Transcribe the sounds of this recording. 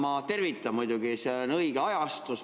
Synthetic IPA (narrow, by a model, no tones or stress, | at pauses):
mɑt̪e̞rvit̪ːˑɑmujd̪̥uɡ̥iseonɤjɡ̥eɑjɑst̪us